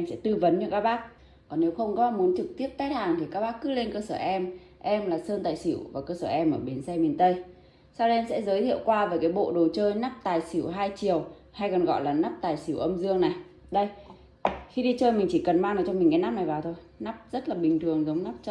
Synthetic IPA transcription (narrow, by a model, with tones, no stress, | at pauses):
ʔɛ˧msɛ̰˧˥t̪ɨ˧və˨˦nt͡ɕɔ˧kaː˦˥k̚ɓaː˦˥k̚ | kɔ˨˩nːe˨˦wxə˧wŋ͡mkɔ˨˦mu˨˦ənt͡ɕɨ˨˩k̚t̪i˦˥əp̚t̪aː˦˥t̚haː˨˩ŋt̪ʰi˨˩kaː˦˥k̚ɓaː˦˥kːɨ̰˨˦˥le˧nkəː˧səː˧˩ʔɛ˧m | ʔɛ˧mlaː˨˩səː˧nt̪aː˨˩jsḭ˧˩əwvaː˨˩kəː˧səː˧˩ʔɛ˧mʔəː˧˩ɓi˨˩ənsɛ˧mi˨˩ənt̪ə˧j | sa˧wə˧ʔɛ˧msɛ̰˧˥zəː˨˦jt̪ʰḭ˧˨əwkwaː˧veː˨˩jkaː˨˦jɓo̰˧˨ɗo˨˩t͡ɕəː˧jna˦˥p̚t̪aː˨˩jsi˧˩əwɦaː˧jt͡ɕi˨˩əw | ha˧jkɔ˨˩nɣɔ̰˧˨jlaː˨˩na˦˥p̚t̪aː˨˩jsi˧˩wʔə˧mzɨ˧əŋna˨˩j | ɗə˧j | xi˧ɗi˧t͡ɕəː˧jmï˨˩ŋ̟t͡ɕi˧˩kə˨˩nmaː˧ŋʔɨː˨˩t͡ɕɔ˧mi̟˨˩kaː˨˦jna˦˥p̚na˨˩jvaː˨˩wt̪ʰo˧j | na˦˥p̚zə˦˥t̚laː˨˩ɓï˨˩ŋ̟t̪ʰɨ˨˩əŋzə˨˦wŋ͡mna˦˥p̚t͡ɕɔ˧